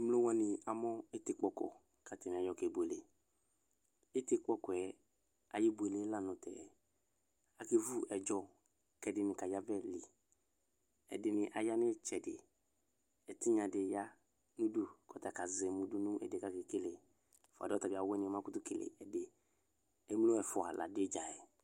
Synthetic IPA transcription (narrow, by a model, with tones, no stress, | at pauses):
mlo˦wa˦nɪ˨a˨mɔ˦ɪ˦tɪ˨k͡pɔ˨kɔ̰˨ | ka˨tɪ˨n˨a˨jɔ˨kɛ˨bu˨e˨le˨ | ɪ˦tɪ˦k͡pɔ˦kɔ˨ɛ˨ | a˨ji˦bu˨e˨le˦la˦˨nʊ̃˨tɛ̰˨ | a˨ke˦vu˦ɛ˨d͡ʒɔ˦ | kɛ˨dɪ˨nɪ˨ka˨ja˦vɛ˦li˨ | ɛ̰˨dɪ˨nɪ˨ʔa˨ja˦nɪ˦t͡ʃɛ˨dɪ̰˨ | ɛ˨tɪ˦ɲã˨dɪ˨ja˦ | nũ˦du˦kɔ˨tɛ˨ka˨zɪ˨mu˨du˦nũ˦ʔɛ̰˨de˨ka˦ke˨ke˦le˨ | fa̰˨dɪ˦ɔ˦ta˨bɪ˨˦a˨˦wɛ˦nɪ˨ɛ˨mã˦kʊ˦tʊ˦ke˨lḛ˨ɛ˨dɪ˨ | ɛ˦m˦lo˦ɛ˨fʊ˦a̰˨la̰˨dɪ˦d͡ʒa˨ɛ˨